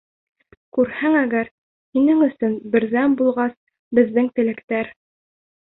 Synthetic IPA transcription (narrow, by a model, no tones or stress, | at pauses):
kʉɾhæŋæɡæɾ | hinɘŋɵ̆sɵnbɘ̆ɾðæmbulˠʁɑs | bɘ̆ðːɘŋt̪ɘ̆lɘ̆kt̪æɾ